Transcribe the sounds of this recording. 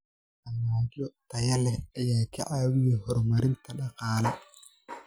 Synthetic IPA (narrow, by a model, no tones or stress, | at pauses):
ʔɐmaːd͡ʒɔt̪ʰɐjɐlɛɐjaːjkʰɐ̰ʔaːwɪjɛhɔɾmɐɾɪnt̪ʰɐɗɑqɑːlɛ